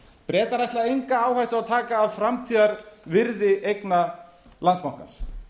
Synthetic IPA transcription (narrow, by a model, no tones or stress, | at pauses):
pɾɛːt̪aɾajht̪laejŋkaaːwhajht̪ʏawt̪ʰaːkaːvfɾamt̪ʰiːðaɾvɪɾðɪʔejkna | lansmawhka̰ns